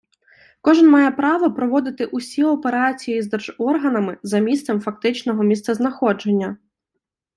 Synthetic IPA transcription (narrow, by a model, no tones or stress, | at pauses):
kɔʒɪnmɑjɛpɾɑʋɔpɾɔʋɔd̪ɪt̪ɪʔʊsʲiɔpeɾɑt͡sʲijijizd̪ɛrʒɔrɦɐnɐmɪzɐmʲist̪sɛmfɐk̚t̪ɪt͡ʃnɔɦɔmʲist̪sɐznɐxɔd͡ʒe̞nʲːɐ